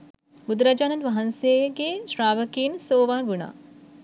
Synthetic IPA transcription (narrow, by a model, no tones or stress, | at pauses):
bud̪ɾɐd͡ʒaːnɐnd̪ʋɐɦɐnseɡeʃɾaːʋɐkiːnsoːʋaːnʋuɳa̰ː